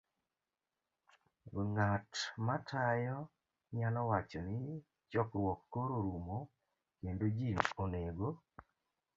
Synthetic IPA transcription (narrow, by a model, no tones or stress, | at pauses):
ŋatmatʰajɔ | ɲalɔwat͡ʃɔnɪ | t͡ʃɔkɾwɔkːoɾoɾumo | kendod͡ʒinoneɡo